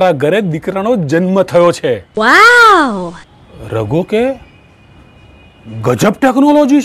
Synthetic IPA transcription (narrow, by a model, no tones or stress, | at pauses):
ɾaɡʱəɾed̪ikɾaɽ̃od͡ʒənmət̪ʰəjot͡ʃʰeʋaw | ɾəɡoke | ɡəd͡ʒəp̚ʈeknolod͡ʒi